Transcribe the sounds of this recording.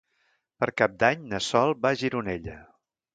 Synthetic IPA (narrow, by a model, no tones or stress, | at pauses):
pəɾkap̚d̪aɲnəsɔlˠbaʒiɾuneʎə